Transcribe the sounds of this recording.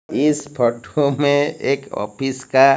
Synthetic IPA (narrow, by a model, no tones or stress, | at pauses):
ɪspʰɔʈʰomẽeːkɔ̰ːpʰɪska